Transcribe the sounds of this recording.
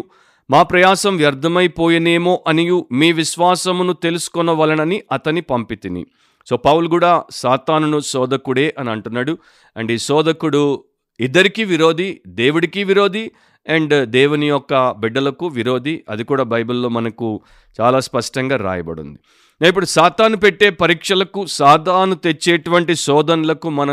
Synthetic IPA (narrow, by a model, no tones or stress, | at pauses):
maːpɾɐjaːsɐmʋjɐɾd̪ʱːɐmɐjpoːjɐneːmoːʔɐnijumiːʋiʃʋaːsɐmnut̪e̞lusu̥kɔnːɐʋɐlɐnɐniʔɐt̪ɐnipɐmpit̪inḭ | so̞ːpɐwuluɡuːɽaːsaːt̪aːnunusɔːd̪ɐkuɽeːʔɐniɐɳʈunːaːɽu | ɐɳɖiːsɔːd̪ɐkuɽu | id̪ːɐɾikiːʋiɾo̞ːd̪id̪eːʋuɽikiːʋiɾo̞ːd̪i | eɳɖd̪eːʋunijɔkːɐbiɖːɐlɐkuʋiɾo̞ːd̪iɐd̪ikuːɽaːbʱɐjbulːo̞ːmɐnɐku | t͡ʃaːlaːspɐʂʈɐŋɡaːɾa̰ːjɐbɐ̰ɽṵnd̪i | ip̬ːuɽusaːt̪aːnupeʈːe̞ːpɐɾiːkʂɐlɐkusaːd̪ʱaːnut̪e̞t͡ʃːeːʈuʋɐɳʈisɔːd̪ʱɐnulɐkumɐnɐ